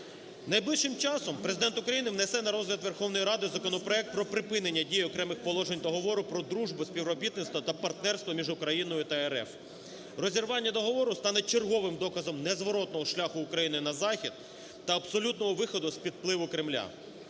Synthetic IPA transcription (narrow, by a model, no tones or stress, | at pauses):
nɐjblɪʃːɪmt͡ʃɑsɔmpɾezɪd̪ɛnt̪ʊkɾɐjinɪʋnesɛnɐɾɔzlʲɐd̪ʋe̞rxɔwnɔjɾɑd̪ɪzɐkɔnɔpɾɔɛk̚t̪̚pɾɔpɾɪpɪnenʲːɐdʲijɔkɾɛmɪxpɔlˠɔʒenʲd̪ɔɦɔʋɔɾʊpɾɔd̪ɾuʒbʊsʲpʲiʋɾɔbʲit̪nɪt̪st̪ʋɐt̪ɐpɐrt̪nɛrst̪ʋɔmʲiʒʊkɾɐjinɔjʊt̪ɐeɾɛ̰f | rɔzʲirʋɑnʲːɐd̪ɔɦɔʋɔɾʊst̪ɑnɛt͡ʃerɦɔʋɪmd̪ɔkɐzɔmnɛzʋɔɾɔt̪nɔɦɔʃlʲaxʊːkɾɐjinɪnɐzɑxʲid̪̥̚ | t̪ɐɐbsɔlʲut̪nɔɦɔʋɪxɔd̪ʊspʲid̪plˠɪʋʊkɾɪmlʲa̰